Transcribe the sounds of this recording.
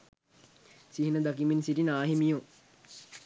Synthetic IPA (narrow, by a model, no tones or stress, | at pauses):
siɦinəd̪akiminsitinaːɦimijo